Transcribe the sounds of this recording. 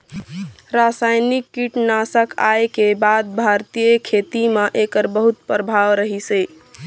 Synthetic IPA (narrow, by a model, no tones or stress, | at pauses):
ɾasajnikːiʈnasəkaekebad̪̚bʱaɾt̪ijəkʰet̪imaʔekəɾbəɦut̪̚pɾəbʱaʋɾəɦisəj